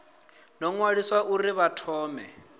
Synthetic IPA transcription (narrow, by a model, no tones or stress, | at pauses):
nɔŋwaɺiswaʔuriβatʰɔːmɛ